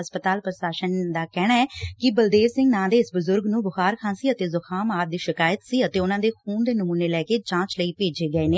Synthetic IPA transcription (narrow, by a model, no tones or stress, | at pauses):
əspət̪aːlpɾəsaːʃənd̪aːkɛːɽ̃aːɛːkɪbəld̪eːʋsɪ̃ŋɡnãːd̪eːɪsbʊzʊɾɡnũːbʊxaːɾkʰãːsiːət̪eːzʊkʰaːmaːd̪iːʃɪkaːjət̪siːət̪eːʊnãːd̪eːxuːnd̪eːnʊmũːneːlɛːkeːd͡ʒãːt͡ʃləiːpeːd͡ʒeːɡəeːneː